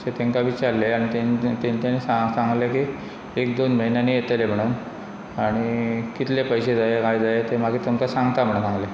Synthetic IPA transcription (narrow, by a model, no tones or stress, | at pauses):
set̪eŋkaʋit͡ɕaɾleaɽ̃it̪ent̪enit̪anisasaŋɡleki | ek̚d̪onm̤əɦinjanijet̪lem̤əɽ̃uːn | aɽ̃ikit̪lepəjsed͡zajekajd͡zajet̪emaɡʱiːt̪oŋkasaŋɡt̪amʰʱəɳsãŋɡle